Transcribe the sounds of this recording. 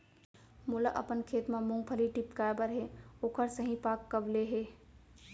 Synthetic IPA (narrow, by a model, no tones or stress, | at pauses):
muləʔə̰pənkʰet̪memuŋɡpʰəliʈipkaebəɾɦeokʰəɾsəɦĩpakːəbleɦe